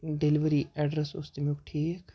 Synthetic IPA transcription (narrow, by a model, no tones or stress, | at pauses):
ɖeliʋəɾiɛːɖɾəsʊ̰st̪emukʈʰiːk